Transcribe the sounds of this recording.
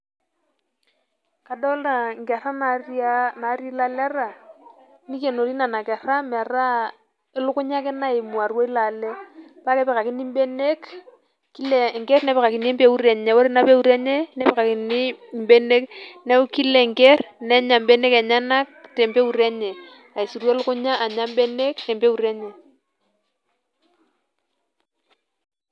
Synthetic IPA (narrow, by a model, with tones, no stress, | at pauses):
ka˨dɔ˦la˨ŋ˨kɛ˨ɾa˦na˨ana˨˦ɾi˦la˨lɛ˦ra˨ | ni˦ke˨no˨ɾi˦na˨na˨kɛ˨ra˦mɛ˨ra˦ | ɪ˦lʊ˦kʊ˦ɲa˦kɪ˦na˦e˨mu˨a˨rwo˦i˦la˨lɛ˦pa˦kɛ˦pɛ˨ka˨kɪ˦ni˦m̩˦be˦ne˦k | ki˦lɛ˨ŋkɛ˦rnɛ˨˦pɛ˨ka˨ki˨n˦ɛ˦mpe˦u˦ɾɛ˨ɲɛ˨wo˦ɾi˦na˦pe˦u˦ɾɛ˦ɲɛ˦nɛ˦pɛ˨ka˨ki˨ni˦˨m˦be˦ne˦knɛ˦ki˦lɛ˨ŋkɛ˦rnɛ˦ɲa˨mbɛ˦ne˦kɛ˨ɲa˦na˦k̚tɛ˨mpe˦u˨ɾɛ˦ɲɛ˨ | a˨i˨su˨ɾwo˦lʊ˦kʊ˦ɲa˦ʔa˨ɲa˦m˦be˦ne˦knɛ˨mpe˦u˨ɾɛ˦ɲɛ˨